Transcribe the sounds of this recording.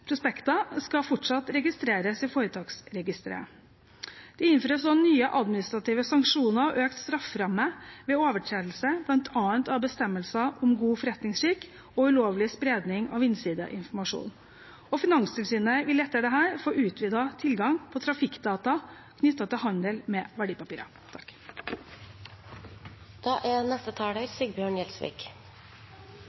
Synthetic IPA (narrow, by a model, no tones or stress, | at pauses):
pʰɾʊspɛkt̪ɑskɑfɔʈʂɑt̪ɾɛɡɪst̪ɾeːɾəsɪfoːɾət̪ʰɑːksɾɛɡɪst̪ɾə̰ | d̪̥ɛɪnføːɾəsɔnyːəʔɑd̪mɪnɪst̪ɾɑt̪iːʋəsɑŋkʂuːnɑɾʔøːkt̪st̪ɾɑfɾɑmːəʋɛːoːʋəʈʰɾeːd̪l̩səblɑnt̪ʰɑːənt̪ɑbəst̪ɛmːəlsɑʔɔmɡuːfɔɾɛt̪nɪŋsɾiːk | ɔʉloːʋlɪspɾeːd̪nɪŋɑ̰ʋɪnsiːd̪ə̰ʔɪ̰nfɔɾmɑʂṵːn | ɔfɪnɑŋst̪ɪlsiːnəʋɪlɛt̪ːəɖɛɦæːɾfoːʔʉːt̪ʰʋiːd̪ɑt̪ʰɪlɡɑŋpʰɔt̪ʰɾɑfɪkd̪ɑːt̪ɑ | kʰnʏt̪ːɑt̪ɪlɦɑnd̪əlmɛːʋæɖiːpɑpiːɾɑ̰ | t̪ʰɑ̥k | d̪̥ɑːʔænɛst̪ət̪ʰɑːɽəɾsiɡbjøːɳjɛlsʋḭːk